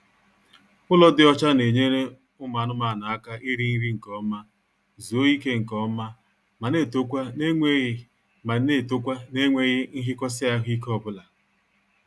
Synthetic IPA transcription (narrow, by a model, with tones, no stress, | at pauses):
ʊ˦lɔ˦dɪ˦ɔ˦t͡ʃa˦ne˨ɲe˦ɾe˦ | ʊ˦ma˨nʊ˦ma˨na˨a˦ka˦ʔi˦ɾi˦ni˦ɾi˦ŋ̩˨kɔ˦ma˦ | zu˨o˦i˦ke˦ŋ̩˨kɔ˦ma˦ | ma˨ne˦˨to˦kʷa˦ne˦ŋʷe˦ɣ | ma˨˦e˦˨to˦kʷa˦ne˦ŋʷe˦ɣɪ˦ŋ̩˦ɦɪ˦kɔ˦s̬ɪ˦a˦ɦi˦k̬ɔ˨bʊ˦la˨